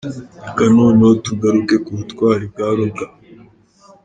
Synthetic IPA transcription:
akanoːnotuɡaɾukekuutkwaːɾibɡaːɾoɡa

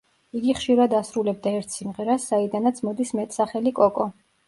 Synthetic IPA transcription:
iɡiχʃiɾad̪asɾulɛb̚d̪aɛɾt̪ʰsimʁɛɾasːaid̪anat̪sʰmɔd̪ismɛt̪ʼsaχɛlikʼɔkʼɔ

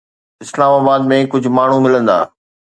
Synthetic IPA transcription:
ɪslaːmaːbaːd̪mẽkʊd͡ʑʱʊ̆maːɳ̤ũmɪlə̃nd̪a̰ː

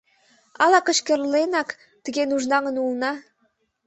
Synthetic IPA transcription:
ɑlɑkə̆ɕkərlenɑk | t̪əɣenuʒnɑŋə̆nulnɑ

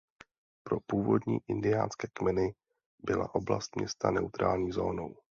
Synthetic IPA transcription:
pɾo̞puːvodɲḭːʔɪndɪjaːnskɛːkmɛnɪ | bɪla̰ʔo̞bla̰st̪mɲɛst̪ʰanɛut̪ɾʔaːlɲiːzoːno̞w

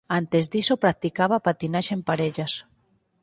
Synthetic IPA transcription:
ant̪ezd̪isopɾak̚t̪ikaβapat̪inaʃempaɾeʎas

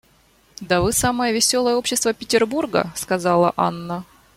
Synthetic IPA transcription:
d̪ɐvɨsaməjəvʲɪsʲo̞lˠəjəo̞pɕːɪst̪vəpʲɪtʲɪrburɡə̰skɐzalˠə̰ʔa̰nːə

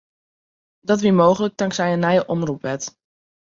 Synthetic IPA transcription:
dɑtʋimowχələk̚dɑŋksɛjənaːjəʔɔmrupʋɛt

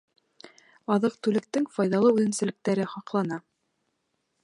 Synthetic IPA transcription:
ɑðɤq̚t̪ʉlɘ̆k̚t̪ɘŋfɑjðɑlˠɤʉðɘ̆msɘ̆lɘ̆k̚t̪æɾɘχɑqlˠɑnɑ

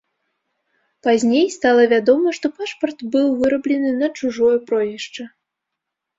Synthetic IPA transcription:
pazʲnʲejst̪alˠɐvʲad̪ɔmɐʂt̪ɔpaʂpɐrt̪bɨwvɨɾɐblʲɛnɨnɐt͡ʂuʐɔjɐpɾɔjʲɛʂt͡ʂɐ

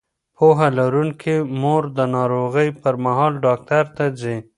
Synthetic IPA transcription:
poɦalaɾuŋkʰemoɾd̪ənɑɾoɣəjpəɾmaɦɑlɖɑk̚t̪aɾt̪ad͡ze

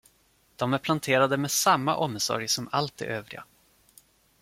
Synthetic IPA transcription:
d̪̥ɔmæɾpʰlant̪ʰeːɾad̪əmɛsamːa̰ʔɔmːsɔ̰ɾjsɔmalt̪̚d̪ɛ̰ʔøːvɾɪ̰ɡa̰

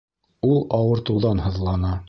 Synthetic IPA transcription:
ulˠɑwɤ̆ɾt̪ɤ̆wðɑnhɤ̆ðlˠɑnɑ

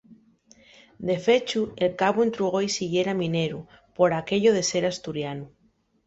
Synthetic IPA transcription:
d̪e̞fe̞t͡ʃue̞lkaβoent̪ɾuɣ̞o̞isiɣje̞ɾamĩne̞ɾu | po̞ɾake̞ʎoðe̞se̞ɾast̪uɾjanu

